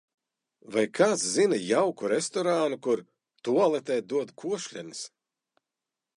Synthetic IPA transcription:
vajkʰaszinɨjawkuɾest̪ɔɾaːnukuɾ | t̪uɔlˠɛt̪ɛːd̪uɔd̪kʰuɔʃlʲɛnis

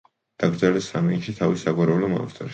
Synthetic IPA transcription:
d̪̥aɡɾd̪zɛlɛsamɛiʃit̪ʰavisaɡaɾɛvlɔma̰nft̪ʰʼɔɾ

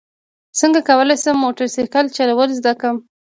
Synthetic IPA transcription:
səŋɡakawəlajsəmːoʈaɾsekalt͡ʃalawəlzd̪akəm

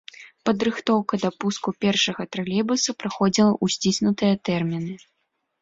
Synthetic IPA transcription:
pɐd̪ɾɨxt̪ɔwkɐd̪ɐpuskupʲɛrʂɐɣɐt̪ɾalʲɛbusɐpɾaxɔd͡zʲilˠɐʔusʲt͡sʲisʲnut̪ɨjɐt̪ɛrmʲinɨ

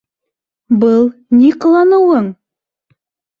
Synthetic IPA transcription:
bɤlˠniq̆lˠɑnɤ̆wɤɴ

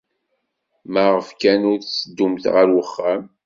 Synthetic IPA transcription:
maʁəfkænʊɾt͡sːəd̪ːumθʁəɾwəχːæm

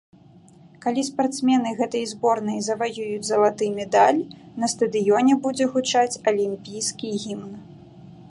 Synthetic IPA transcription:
kalʲispart̪smʲɛn̪ɨɣɛt̪ɐjzbɔrnɐjzɐvajujud͡zʲzɐlˠat̪ɨmʲɛd̪alʲnɐst̪ɐd̪ɨjɔnʲɛbud͡zʲɛɣut͡ʂat͡sʲɐlʲimʲpʲijskʲiɣʲimn

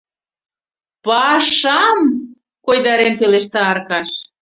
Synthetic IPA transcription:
pɑʃɑm | kojd̪ɑɾempeleʃt̪ɑɑrkɑʃ

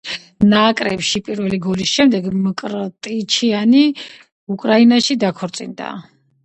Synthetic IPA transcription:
nakʼɾɛpʃipʼiɾvɛliɡɔlisʃɛmd̪ɛɡmkʼɾt̪ʼit͡ʃʰiani | ukʼɾainaʃid̪akʰɔɾt̪sʼḭnd̪a̰

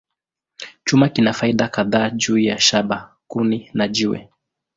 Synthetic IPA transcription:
t͡ʃumakinafaiɗakaðaːʄuːjaʃaɓa | kuninaʄiwɛ̰

